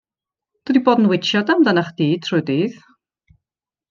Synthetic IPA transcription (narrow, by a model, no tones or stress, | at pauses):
d̥ədiboːdn̩wɪt͡ʃʰjɔdamdənaχd̥iːd̚tʰrʊdiːð